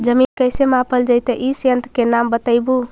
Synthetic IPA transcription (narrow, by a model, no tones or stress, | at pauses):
d͡ʒəminkəjsemãpəld͡ʒəjt̪əʔisənt̪kenambət̪əɪbu